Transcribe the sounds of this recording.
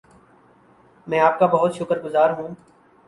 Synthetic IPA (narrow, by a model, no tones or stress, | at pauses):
mɛ̃ːaːp̚kabɐɦʊt̪ʃʊkəɾɡʊzaːɾɦũː